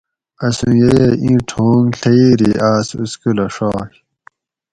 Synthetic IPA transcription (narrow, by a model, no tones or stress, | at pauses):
ɐsũjejeĩʈʰoːŋɬeiɾiʔaːsṵskulɐʂoːk